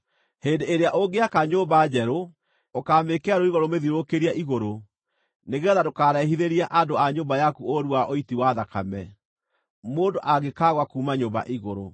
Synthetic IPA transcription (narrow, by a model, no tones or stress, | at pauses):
hendeːɾeaʔoɡeakaɲoːmbaːd͡ʑɛɾo | okaːmekeaɾoiɣoɾomeðiɾokeɾiaʔiɣoɾo | neɣeɔðadokaːɾɛɦiðeɾiaʔadoaɲoːmbajakuoɾuaʔoitiwaðaka̰mɛ | moːndoʔaɣekaɣwakuːmaɲoːmba̰ʔiɣoɾo